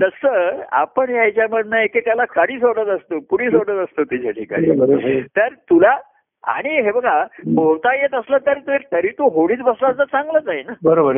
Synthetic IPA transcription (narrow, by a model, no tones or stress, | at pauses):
t̪əsəa̰pəɳɦjajt͡ɕjaməɽnajeket̪jalakaɽiːs̬oɽət̪əst̪opuɽiːsoɽət̪əst̪ot̪it͡ɕʰaʈʰika̰nḭbəɾt̪əɾt̪ula | a̰ɽ̃iɦebəɡaɦowt̪ajet̪əslət̪əɾt̪et̪əɾiːt̪oɦoɽiːt͡sbəslat͡sət͡saŋɡləd͡zaɦinabəɾobəɾ